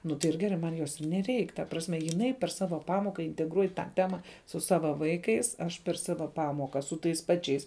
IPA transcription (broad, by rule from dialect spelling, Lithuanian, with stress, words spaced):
ˈnʊ tɐɪ ɪr ˈɡʲæːrɐɪ ˈmɐn ˈjoːs ɪr nʲɛˈrʲɛɪk tɐ ˈprɑːsʲmʲɛ jɪˈnɐɪ pʲɛr ˈsɑːʋɐ ˈpɑːmoːkɐ ɪnʲtʲɛɡˈruɔj tɑː ˈtʲæːmɐ sʊ ˈsɑːʋɐ ˈʋɐɪkɐɪs ˈɐʃ pʲɛr ˈsɑːʋɐ ˈpɑːmoːkɐ sʊ ˈtɐɪs ˈpɑːt͡ʃʲɛɪs